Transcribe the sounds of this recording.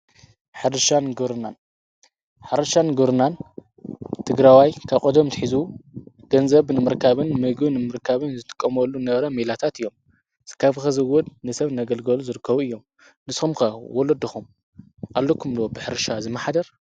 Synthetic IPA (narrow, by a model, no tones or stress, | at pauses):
ħɨɾɨʃanɡɨɾɨnan | ħɨɾɨʃanɡɨɾɨnan | t̪ʰɨɡɾawajkʰaβkʼod̪omt̪ɨħizu | ɡ̥ɐnzɐβnɨmɨɾkʰaβɨnmɨɡɨnɨmɨɾkʰaβɨnzɨt̪ʰɨ̥kʼːɐmɐlːunɐβɾɐmelat̪ʰat̪ɨjːo̞m | kʰaβxɐzɨwɔd̪nɨsɐβnaɡɐlɡɐluzɨɾɨkʰːɐβuɨjːo̞m | nɨsxumkɐwɔlɐd̪ɨxum | ʔalːokʰumlwobɨħɨɾɨʃazɨmːaħad̪ɐɾ